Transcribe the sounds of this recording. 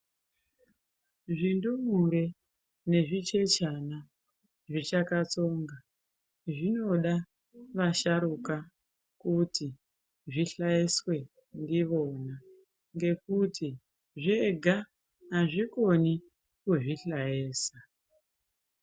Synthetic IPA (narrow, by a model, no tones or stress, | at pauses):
ʐindumuɾe | ne̞ʐit͡ʃe̞t͡ʃana | ʐit͡ʃakat͡so̞ŋɡa | ʐino̞ɗa | ʋaʃaɾuka | kuti | ʐiɬaeswe̞ | ndiʋo̞na | ŋɡe̞kutʰi | ʐeɡʱa | aʐikoni | kuʐiɬajeːsa